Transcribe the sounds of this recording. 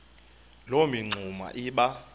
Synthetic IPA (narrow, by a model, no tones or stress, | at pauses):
lomiŋ͡ǀʱuma̰ʔiɓa